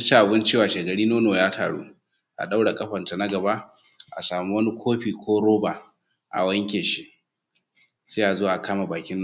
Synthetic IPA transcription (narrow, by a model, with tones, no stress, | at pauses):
t͡ʃe˦ʔa˨bɪ˦nt͡ʃeː˦˨waː˨ʃe˨ɡɐ˨ɽiː˦noː˦noː˨jaː˦tʰa̰ː˨ɽṵː˦ | ʔa̰˨ɗa˦wɽa˨kʼɐ˦ɸɐ˨nta˨nɐ˦ɡɐ˨ba˦ʔʔa̰˨saː˨mi˦wɐ˦ni˦kʷʰoː˦ɸiː˨kʷoː˦ɽoː˦ba˨ | ʔa̰˨wɐ˦ŋkʲeː˨ʃi˦ʔ | seː˦ʔa˨zoː˦wa˨ʔa˨kaː˦ma˨baː˨kʲɪ˦n˦